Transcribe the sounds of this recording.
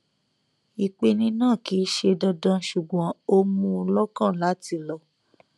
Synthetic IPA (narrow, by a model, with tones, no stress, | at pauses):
i˨k͡pe˧nĩ˧nãː˦˨ki˨˦ʃe˧dɔ˧dã˧ʃu˨ɡ͡bɔ̃˨˦o˦mũ˧˦˧lɔ˦kã˦˨la˨˦ti˧˨lɔ˧